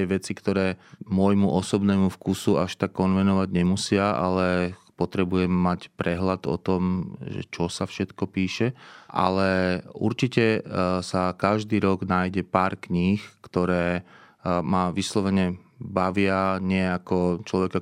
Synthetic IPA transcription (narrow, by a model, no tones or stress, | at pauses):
ɛʋɛt͡sikt̪ɔɾɛːmʊɔjmuʔɔsɔbnɛːmufkusuaʃt̪akːɔnʋɛnɔʋaɟɲɛmusɪaʔa̰lɛpɔt̪ɾɛbujɛmːacpɾɛɦlad̪ɔ̰t̪ɔmʒɛ̰t͡ʃɔsafʃɛt̪kɔpiːʃɛʔa̰lɛṵɾt͡ʃicɛsakaʒd̪iːɾɔɡnaːjɟɛpaːɾkɲixkt̪ɔɾɛː | maʋislɔʋɛɲɛbaʋɪaɲɪɛakɔt͡ʃlɔʋɛka